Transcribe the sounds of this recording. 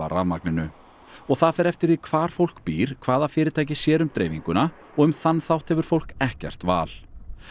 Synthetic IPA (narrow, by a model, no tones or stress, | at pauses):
a̰ra̰vma̰knɪnʏ | ɔɣθaðfɛɾɛft̪ɪɾðikʰvaːɾ̥fowl̥kpiːɾ̥kʰv̥aːðafɪːɾɪɾt̪aːjcɪsjɛːɾʏmt̪ɾḛjviŋkʏna | ɔɣʏmθanːθawht̪hɛvʏɾ̥fowl̥kɛhcɛ̰r̥t̪va̰ːl̥